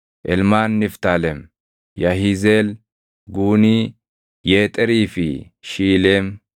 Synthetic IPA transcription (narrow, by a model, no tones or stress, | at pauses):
ʔɛlmaːnːɪft̪aːlɛm | jɐɦizeːl | ɡuːniː | jeːt̪ʼɛɾiːfɪ̰ | ʃiːleːm